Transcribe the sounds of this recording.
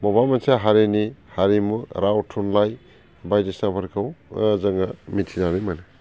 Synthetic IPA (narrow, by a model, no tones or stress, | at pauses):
mɔbamansaɦaɾenihaɾimuɾawtʰunlaj | bajdesabaɾkʰawzaŋamitʰinaɾimana